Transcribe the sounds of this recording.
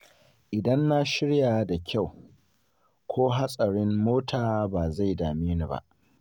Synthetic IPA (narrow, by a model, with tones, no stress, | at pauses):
ʔɪ˨dɐ˦nːa˦ʃɪ˦ɽjaː˨˦da˨kʲʰa˦˨w | kʰʷoː˦ɦa˦sʼɐ˨ɽɪ˦mːoː˦tʰaː˨baː˨za˦˨jdaː˨miː˦nu˨ba̰˦ʔ